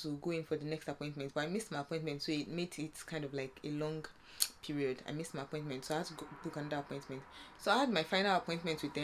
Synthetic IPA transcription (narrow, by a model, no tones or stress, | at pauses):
tuɡoĩnfɔðənɛkstapɔ̃ɪ̃ntmɛ̃nt̚b̥ʌaɪmismaɪapʰɔ̃ɪ̃ntmɛ̃ntsoit̚metitkʰãɪ̃ndɔvlaɪkelɔ̃ŋɡ | pʰiɹiɔda̰ɪmismaɪapʰɔ̃ɪ̃ntmɛ̃ntsoaɪavtuɡolukãnʌðəapʰɔ̃ɪ̃ntmɛ̃ntsoaɪhadmaɪfãɪnalapʰɔ̃ɪ̃ntmɛ̃ntwiðɛ̃